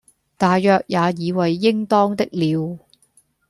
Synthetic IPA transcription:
t̪aː˨jːœː˨˧k̚jaː˨˧jiː˨˧wɐ˨jːɪ˥ŋt̪ɔː˥ŋt̪ɪ˥k̚liː˨˧w

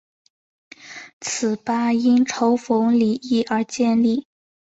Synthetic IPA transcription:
t͡sʰɹ̩˨˩pa˥i˥nʈ͡ʂʰo˧˥ʊfo˧˥ŋli˨˩i˥˩ʔə˞˧˥t͡ɕjɛ˥˧nli˥˩

